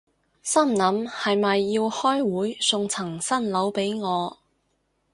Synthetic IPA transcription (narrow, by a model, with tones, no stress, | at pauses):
sɐ˥˩mnɐ˨˥mhɐ˨jmɐ˨jːiː˧whɔː˥jwuː˨˥jsʊ˧ŋt͡sʰɐ˨˩ŋsɐ˥nlɐ˨˧˥wpe˨˥jŋɔː˨˧